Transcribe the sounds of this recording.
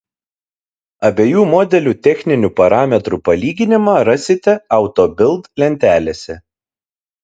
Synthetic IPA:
ɐbʲeːjuːmɔːd̪ʲɛlʲuːt̪ʲɛxʲnʲɪnʲuˑpɐɾɑːmʲɛt̪ɾupɐlʲiːɡʲɪnʲɪmɑːɾɐsʲɪt̪ʲɛɐˑʊt̪oːbʲɪlˠt̪kʲlʲɛnʲt̪ʲæːlʲeːsʲɛ

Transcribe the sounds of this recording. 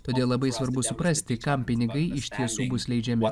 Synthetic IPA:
t̪oːd̪ʲeːlˠlˠɐbɐɪsʋɐɾbʊsʊpɾɐsʲt̪ʲɪkɐmpʲɪnʲɪɡɐɪɪʃʲt̪ʲiɛsuːbʊslʲɛɪd͡ʒʲɛmʲɪ

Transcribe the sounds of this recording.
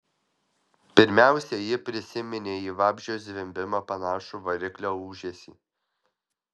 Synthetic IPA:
pʲɪɾʲmʲæˑʊsʲɛjɪpʲɾʲɪsʲɪmʲɪnʲeːiːʋɑːbʲʒʲosʲʋʲɪmʲbʲɪmɑpɐnɑːʃuʋɐɾʲɪklʲoːuːʒʲesʲḭː

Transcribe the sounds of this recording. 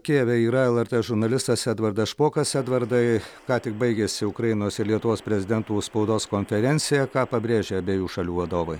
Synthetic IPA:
kʲeːʋʲɛiːɾɐɛlˠɛɾʲt̪eːʒʊɾnɐlʲɪst̪ɐsæːd̪ʋɐɾd̪ɐsʃpoːkɐsæːd̪ʋɐɾd̪ɐɪkɑːt̪ʲɪk̚bɐɪɡʲeːsʲɪʊkɾɐɪnoːsɪɾlʲiɛt̪ʊʋoːspʲɾʲɛzʲɪd̪ʲɛnt̪uːspɐʊd̪oːskoːnʲfʲɛɾʲɛnʲt̪sʲɪjɛkɑːpɐbʲɾʲeːʒʲeːɐbʲeːjuːʃɐlʲuːʋɐd̪oːʋɐɪ

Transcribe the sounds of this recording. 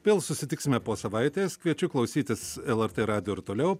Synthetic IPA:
pʲeːlˠsʊsʲɪt̪ʲɪksʲɪmʲɛpoːsɐʋɐɪt̪ʲeːskʋʲiɛt͡ʃʲʊklˠɐʊsʲiːt̪ʲɪsɛlˠɛɾt̪eːɾɑːd̪ʲɪjoːɪɾt̪oːlʲɛʊ

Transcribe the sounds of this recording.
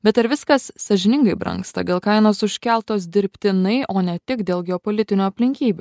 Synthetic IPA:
bʲɛt̪ɐɾʋʲɪskɐsːɐʒʲɪnʲɪŋɡɐɪbɾɐ̰̃ŋkst̪ɐ̰d̪ʲeːlˠkɐɪnoːsʊʃʲkʲɛlˠt̪oːs̬d̪ʲɪɾʲpʲt̪ʲɪnɐɪʔoːnʲɛt̪ʲɪkd̪ʲeːlˠɡʲɛɔpolʲɪt̪ʲɪnʲuːɐpʲlʲɪŋʲkʲiːbʲu

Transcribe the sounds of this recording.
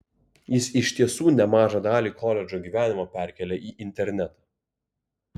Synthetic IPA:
jɪsɪʃʲt̪ʲiɛsuːnʲɛmɑːʒɑd̪ɑːlʲiːkʰɔːlʲɛd͡ʒʲoːɡʲiːʋʲæːnʲɪmɐpʲæˑɾʲkʲɛlʲɛʔiːʔɪnʲt̪ʲɛɾʲnʲæt̪ɑ

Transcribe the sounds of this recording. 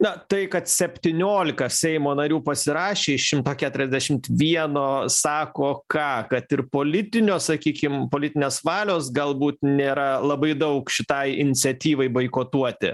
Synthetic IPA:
nɐt̪ɐɪkɐt̪sʲɛpʲt̪ʲiːnʲoːlʲɪkɐsʲɛɪmoːnɐɾʲuːpɐsʲɪɾɑːʃʲeːɪʃʲɪmt̪oːkʲæːt̪ʊɾʲɛzʲd̪ʲæʃʲɪmt̪ʋʲiɛnoːsɑːkoːkɑːkɐt̪ɪrpoːlʲɪt̪ʲɪnʲoːssɐkʲiːkʲɪmpoːlʲɪt̪ʲɪnʲeːsʋɑːlʲoːsɡɐlˠbuːt̪nʲeːɾɐlˠɐbɐɪd̪ɐʊkʃʲɪt̪ɐɪɪnʲɪt͡s̪ʲsʲɛt̪ʲiːʋɐɪbɐɪkoːt̪uɔt̪ʲɪ̰

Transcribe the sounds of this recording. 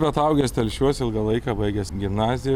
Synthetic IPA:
bʲɛt̪ɐʊɡʲɛːsʲt̪ʲɛlʲʃʲuɔsɪlˠɡɐlˠɐɪkɑːbɐɪɡʲɛsɡʲɪmnɑːzʲɪjɛ

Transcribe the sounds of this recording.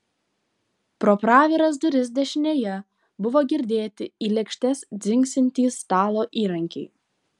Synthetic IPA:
pɾopɾɑːʋʲɛɾɐs̬d̪ʊɾʲɪzd̪ʲɛʃʲɪnʲeːjɛ | bʊʋoːɡʲɪɾʲd̪ʲeːt̪ʲɪiːlʲɛkʃʲt̪ʲɛsd̪zʲɪŋʲksʲɪnʲt̪ʲiːst̪ɑːlˠoːʔiːɾɐŋʲkʲɛɪ

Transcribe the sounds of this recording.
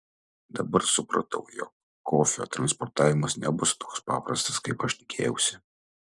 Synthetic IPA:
d̪ɐbɐɾsʊpɾɐ̰t̪ɐʊjɔ̰kː | oːfʲɛo̰ːt̪ɾɐnspɔɾt̪aːʋʲɪmɐsnʲɛbʊst̪oːkspɑ̰ːpɾɐst̪ɐ̥skɐɪpɐʃt̪ʲɪ̥kʲʰḛːjɛʊsʲɪ

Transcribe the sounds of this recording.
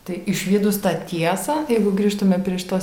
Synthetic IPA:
t̪ɐɪɪʃʲʋʲiːd̪ʊst̪ɑːt̪ʲiɛsɑːjɛɪɡʊɡɾʲiːʃt̪ʊmʲɛpʲɾʲiɛʃt̪oː

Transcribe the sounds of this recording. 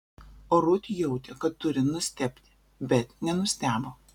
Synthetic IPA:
oːɾʊt̪ʲjɛʊt̪ʲɛkɐt̪ːʊɾʲɪnʊsʲt̪ʲɛpʲt̪ʲɪ̥ | bʲɛt̪nʲɛnʊsʲt̪ʲæːboː

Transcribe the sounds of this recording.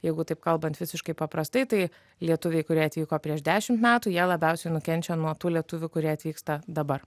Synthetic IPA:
jɛɪɡʊt̪ɐɪp̚kɐlˠbɐnt̪ʋʲɪsʲɪʃkɐɪpɐpɾɐst̪ɐɪt̪ɐɪ | lʲiɛt̪ʊʋʲɛɪkʊɾʲiɛɐt̪ʋʲiːkoːpʲɾʲiɛʒd̪ʲæːʃʲɪmt̪mʲæːt̪uːjiɛlˠɐbʲɛˑʊsʲɛɪnʊkʲɛnʲt͡ʃʲɛnuɔt̪uːlʲiɛt̪ʊʋʲʊkʊɾʲiɛɐt̪ʲʋʲiːkst̪ɐd̪ɐbɐr

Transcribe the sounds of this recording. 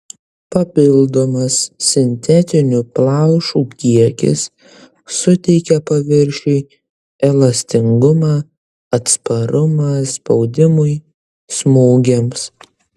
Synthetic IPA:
pɐpʲɪlˠd̪omɐsːʲɪnʲt̪ʲɛt̪ʲɪnʲuplˠɑʊʃuːkʲiɛkʲɪ̰sː | ʊt̪ʲɛɪkʲɛpɐʋʲɪɾʲʃʲɛɪ | ɛlˠɐsʲt̪ʲɪŋɡʊmɑ | ɐt̪spɐɾʊmɑspɒʊd̪ʲɪmʊɪ | smuːɡʲems

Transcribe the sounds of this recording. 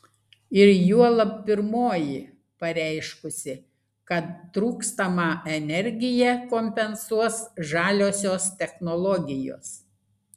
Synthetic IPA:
ɪɾjuɔlˠɐppʲɪɾmoːjɪ | pɐɾʲɛɪʃkʊsʲɪ | kɐt̪ːɾuːkst̪ɐmɑːʔɛnʲɛɾʲɡʲɪjɛkoːmʲpʲɛnsuɔsʒɑːlʲoːsʲoːst̪ʲɛxnɔlˠɔɡʲɪjo̰ːs

